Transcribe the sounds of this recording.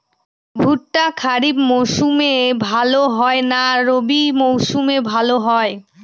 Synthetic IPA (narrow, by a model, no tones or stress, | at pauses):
bʱuʈːakʰaɾibmowʃumebʱaloɦɔenaɾobimowʃumebʱaloɦɔe